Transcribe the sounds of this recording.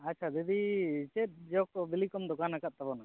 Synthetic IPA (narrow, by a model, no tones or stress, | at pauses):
atːt͡ʃʰad̪ɛd̪it͡ʃɛt̪̚ˀd͡ʒɛɔk̚ɔbilikɔmd̪ɔkanakat̪̚t̪abɔna